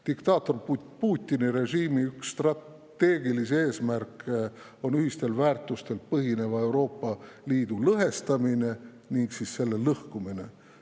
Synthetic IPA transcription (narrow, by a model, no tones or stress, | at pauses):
d̪̥ikt̪ɑːt̪ːˑo̞rpuːt̪ʲːˑiniɾe̞ʒiːmiyksːt̪rɑt | t̪ːe̞ːɡilise̞ːsmærkː | o̞nyɦist̪e̞lvæːrt̪ːˑust̪e̞lpɤɦine̞vɑe̞wɾo̞ːpːɑliːd̪̥ulɤɦe̞st̪ɑmine̞ | niŋɡsisse̞lːe̞lɤhkumine̞